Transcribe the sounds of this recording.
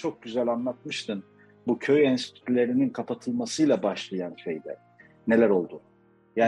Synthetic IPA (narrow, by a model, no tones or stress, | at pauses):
t͡ʃʰo̞k̚ɟyzælʲanlˠat̪mɯʃt̪ʰɯn | bucʰøjɛnsi̥t̪ʰy̥t̪ʰlʲe̞ɾininkʰapʰat̪ʰɯlˠmasɯjlˠabaʃlˠajanʃejd̪ɛ | ne̞lʲæɾo̞lˠd̪u | jaː